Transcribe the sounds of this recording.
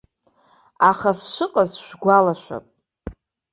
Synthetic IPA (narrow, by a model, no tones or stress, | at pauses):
aχasʂɨqʼazʃʷᶣɡʷalaʃʷᶣa̰pʼ